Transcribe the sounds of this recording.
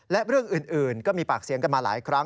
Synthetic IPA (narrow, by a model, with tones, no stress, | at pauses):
lɛ˦˥ɾɯ˥˩əŋʔɯː˨˩nʔɯː˨˩nkɔː˥˩miː˧paː˨˩k̚si˨˩˦əka˧nmaː˧la̰ː˩˦jkʰɾa˦˥ŋ